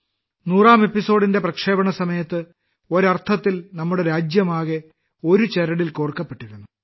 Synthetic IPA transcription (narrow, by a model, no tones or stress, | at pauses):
nuːraːme̞pːiso̞ːɽinde̞prɐkʂe̞ːbɐɳɐsɐmɐjɐt̪ːɨ | o̞ɾɐrt̪ʰɐt̪ːilnɐmːuɽe̞ɾaːd͡ʑjɐmaːɣe | o̞ɾut͡ɕeɾɐɽilkoːɽkːɐpːe̞ʈːuɣunːu